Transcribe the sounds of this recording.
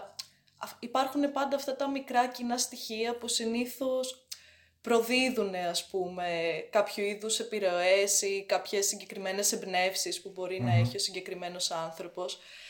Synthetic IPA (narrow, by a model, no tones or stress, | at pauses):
ipɐɾxune̞pɐnd̪ɐft̪ɐt̪ɐmikɾɐcinɐst̪içiɐpusiniθo̞s | pɾo̞ðiðune̞ɐspume̞kɐpçuiðuse̞piɾe̞oesikɐpçe̞sːiɲɟe̞kɾime̞ne̞sebne̞fsispubo̞ɾinɐe̞çio̞siɲɟe̞kɾime̞no̞sɐnθɾo̞po̞s